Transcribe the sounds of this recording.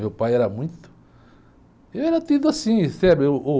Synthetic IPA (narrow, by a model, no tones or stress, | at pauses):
ewpajɛɾɐmũj̃t̪ʊ̥ | ewɛɾɐt̪id̪ʊasĩsɛbɪewo